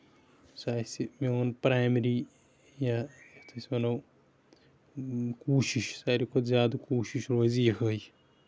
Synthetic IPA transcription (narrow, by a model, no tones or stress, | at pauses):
saːsimeonpɾaːjmɾiː | jaet̪ʰɐsmɐnɐw | kuːʃiʃsaːɾikozjaːd̪koːʃiʃɾoːziekʰəːj